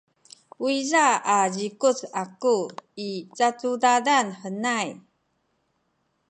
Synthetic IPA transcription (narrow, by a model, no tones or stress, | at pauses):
wizaad͡ʑikut͡sakuit͡sat͡sudadanħənaj